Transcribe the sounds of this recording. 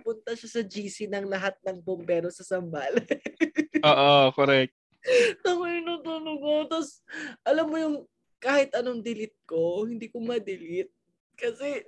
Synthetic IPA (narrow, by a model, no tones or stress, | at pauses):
pʊnt̪ɐʃasɐd͡ʒiːsinɐŋlɐɦat̪̚nɐŋbombɛɾosɐsɐmbaːlɐ | ʔoːʔokoɾɛk̚t̪̚ | nɐmɐɪnut̪uloɡot̪ɐs | ʔɐlamːojʊŋ | kaːhɪt̪ʔɐnoŋd̪ɪlɪt̪̚ko̞hɪnd̪iːkomɐd̪ɪlɪt̪̚ | kɐsɛ